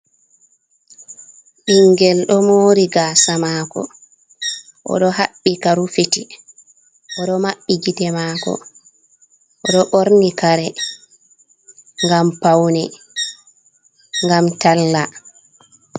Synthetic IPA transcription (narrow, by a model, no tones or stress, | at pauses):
ɓiŋɡɛlɗɔmoːɾiɡaːsamaːkɔ̰ | ʔɔ̰ɗɔɦaɓːikaɾufiti | ʔɔɗɔmaɓːiɡidɛmaːkɔ̰ | ʔɔɗɔʔoɾnikaɾɛ | ŋɡampawnɛ | ŋɡamtalːa